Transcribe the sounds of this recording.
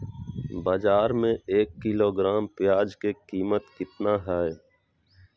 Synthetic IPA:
baːd͡ʒaːɾmẽeːkːɪloːɡɾaːmpɪjaːd͡ʒkekiːmət̪kɪt̪naːɦɛː

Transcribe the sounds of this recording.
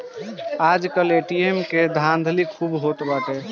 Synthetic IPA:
ad͡ʒkəleʈiemked̪ʱãnd̪ʱlikʰubɦot̪bət̪e

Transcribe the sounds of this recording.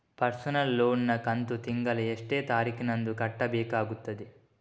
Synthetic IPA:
pɐɾsɐnɐlːoːnːɐkɐnt̪ut̪iŋɡɐleeʂʈe̞ːt̪aːɾikinɐnd̪ukɐʈːɐbɛːkaːɡut̪ːɐd̪e

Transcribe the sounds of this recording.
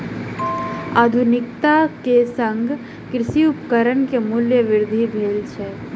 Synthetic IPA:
aːd̪ʱʊnɪkt̪akesə̃ŋɡʱ | kɾɪʃiʊpkəɾənkemʊljəʋɪɾd̪ʱibʱeːlt͡ʃʰɛ

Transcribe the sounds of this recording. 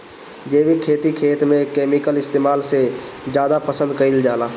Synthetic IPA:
d͡ʒeːbikʰeːt̪ikʰeːt̪mẽkeːmɪkəlɪst̪eːmaːlsezjaːd̪apɐsə̃nd̪̚kɐild͡ʒaːlaː

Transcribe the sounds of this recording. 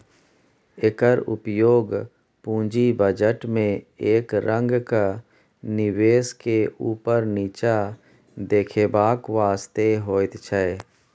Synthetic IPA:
ɪkəɾʊ̰pjoːɡ | pũːd͡ʒibəd͡ʒəʈmẽeːkɾə̃ŋɡka | nɪʋeːskeuːpəɾniːt͡ʃa | d̪eːkʰeːbaːkʋaːst̪eɦoːt̪t͡ʃʰɛː

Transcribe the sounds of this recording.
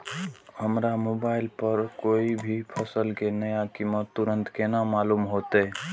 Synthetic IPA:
həmɾamoːbaːɪlpəɾkoːibʱipʰəsəlkenəjakimət̪ːuɾə̃nt̪kenamaːluːmɦot̪e

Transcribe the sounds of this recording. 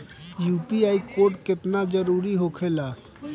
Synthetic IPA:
juːpiaːikoːɾʈkɪt̪nad͡ʒəɾuːɾiɦokʰela

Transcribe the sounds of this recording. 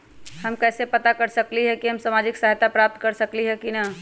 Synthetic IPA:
həmkɛːsepət̪akəɾsəkliɦɛkiɦəmsamad͡ʒiksaɦt̪apɾap̚t̪kəɾsəkliɦɛkinə

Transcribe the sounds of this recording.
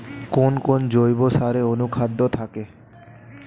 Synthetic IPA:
konkond͡ʑojbosaɾeonukʰad̪ʱːot̪ʰake

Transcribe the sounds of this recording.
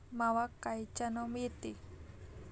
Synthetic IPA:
mawakːajt͡ʃanomit̪i

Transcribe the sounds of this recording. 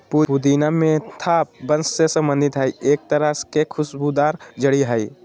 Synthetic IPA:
puud̪iːnamẽt̪ʰaːp̚bənssesə̃mbə̃nd̪ɪt̪ɦəieːk̚t̪əɾəskekʰʊsbud̪aːɾd͡ʒəɽiɦəi

